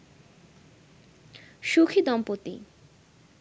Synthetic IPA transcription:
ʃukʰid̪ɔmpot̪ḭ

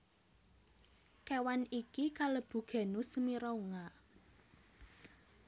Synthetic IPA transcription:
kewanikikaləb̥ṳɡ̥ɛ̤nusəmiɾouŋa

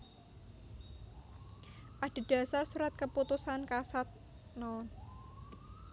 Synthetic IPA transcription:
ʔaɖ̥e̤ɖ̥a̤sarsuɾat̪̚kəput̪usankasat̪̚ | nɔn

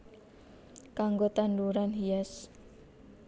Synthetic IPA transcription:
kaŋɡot̪anduɾanɦias

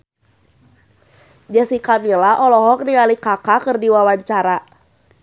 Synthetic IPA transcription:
d͡ʒasikamilaʔɔlɔɦɔk̚niŋalikakakɨrdiwawaɲt͡ʃaɾa

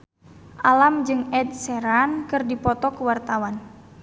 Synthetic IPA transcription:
ʔalamd͡ʒɨŋɛdsɛɾankɨrdipɔt̪ɔkəwart̪awan

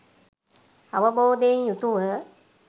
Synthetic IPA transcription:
ɐʋəboːd̪ejnjut̪uʋə

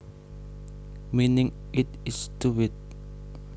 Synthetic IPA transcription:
minɪŋɪt̪̚ɪst̪uwɪt̪̚

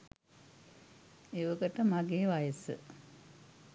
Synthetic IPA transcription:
eʋəkəʈəmaɡeːʋajəsə̰

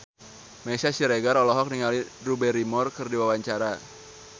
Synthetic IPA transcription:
mɛsasiɾeɡaɾɔlɔɦɔk̚niŋalirubɛɾimɔrkɨrdiwawaɲt͡ʃaɾa

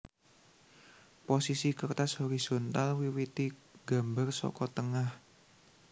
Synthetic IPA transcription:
posisikərt̪ashoɾisont̪alwiwit̪iɡ̥ambarsɔ̰kɔt̪əŋah

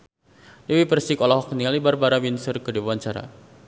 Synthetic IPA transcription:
dewipərsikɔlɔɦɔkniŋalibarbaɾawinsərkədibawaɲt͡ʃaɾa̰

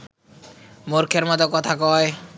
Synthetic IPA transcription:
moɾkʰeɾmɔt̪okɔt̪ʰakɔe

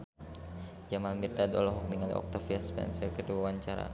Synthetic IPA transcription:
d͡ʒamalmirdad̪ɔ̰lɔɦɔk̚niŋalḭʔɔ̰k̚t̪afiaspɛ̰nsərkəduwawaɲt͡ʃaɾa̰

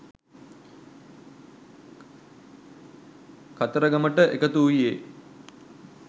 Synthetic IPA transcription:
kat̪əɾəɡɐməʈəʔekət̪uːje

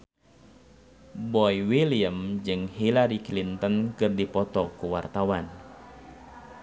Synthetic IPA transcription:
bɔiwiliəmd͡ʒɨŋhilaɾiklint̪ənkɨrdipɔt̪ɔkuwart̪awan

